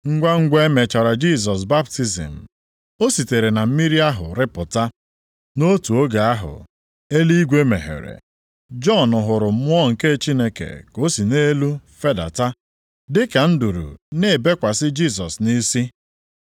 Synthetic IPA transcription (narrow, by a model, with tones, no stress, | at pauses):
ŋ̩˦ɡʷa˦ŋ̩˦ɡʷe˦me˨t͡ʃa˨ɾa˨d͡ʒi˦˨s̬ɔ˨s̬ba˦p̚ti˦zḭ˨m̩˨ | o˦si˨te˨ɾe˨na˨m̩˦mi˦ɾi˦a˦ɦʊ̰˨ɾɪ˦pʊ˨ta˦ | no˦tu˨o˦ɡa˨a˦ɦʊ̰˨ | e˦li˦ɡʷe˦me˨ɦḛ˨ɾḛ˨ | d͡ʒɔ˦˨nʊ˨ɦʊ˨ɾʊ˨m̩˦mʊ˦ɔ˦ŋ̩˨ke˦t͡ʃi˦ne˦kḛ˨ko˦si˨ne˦lu˦fe˦da̰˨ta˦ | dɪ˦ka˨n̩˦du˨ɾṵ˨ne˦˨be˦kʷa˨sɪ˦d͡ʒi˦˨s̬ɔ˨sni˦si˦